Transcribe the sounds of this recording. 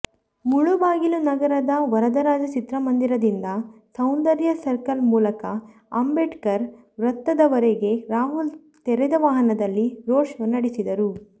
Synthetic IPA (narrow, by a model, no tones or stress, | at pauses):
muɭubaːɡilunɐɡɐɾɐd̪ɐʋɐɾɐd̪ɐɾaːd͡ʒɐt͡ʃit̪ɾɐmɐnd̪iɾɐd̪ind̪ɐsɐwnd̪ɐɾjɐsɐɾkɐlmuːlɐkɐ | ɐmbeʈkɐɾ | ʋɾɐt̪ːɐd̪ɐʋɐɾeɡe̞ɾaːɦul | t̪eɾɛd̪ɐʋaːɦɐnɐd̪ɐlːiɾoːʂɐnɐɽisid̪ɐɾu